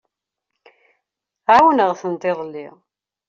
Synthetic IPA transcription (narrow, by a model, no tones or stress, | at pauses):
awənəʁθənt̪ˤeðˤlːḭʁ